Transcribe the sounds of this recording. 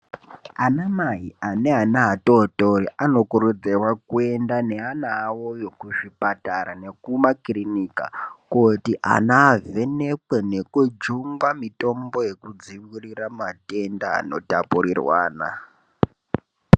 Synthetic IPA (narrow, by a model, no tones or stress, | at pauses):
anamaɦiane̞anaɦatotoɾiʔano̞kuɾud͡zerwakue̞ndaneanawojo̞kuʐipataɾane̞kumakrinika̰kotiʔa̰naːve̞ne̞kwene̞kud͡ʒuŋɡwamito̞mbo̞je̞kud͡ziwiriramate̞nda̰ːno̞̰tapurirwa̰ːna̰